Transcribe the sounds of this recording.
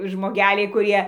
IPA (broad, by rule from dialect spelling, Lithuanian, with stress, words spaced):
ʒmoːˈɡʲæːlʲɛɪ kʊˈrʲiɛ